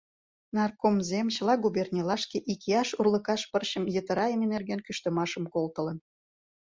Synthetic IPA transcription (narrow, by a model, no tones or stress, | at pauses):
nɑrkomzemt͡ɕəlɑɡuβernʲelɑʃkeʔikeɑʃurlə̆kɑʃpərɕə̆mjət̪ə̆ɾɑemenerɣenkyʃt̪ə̆mɑʃə̆mkolt̪ə̆lə̆n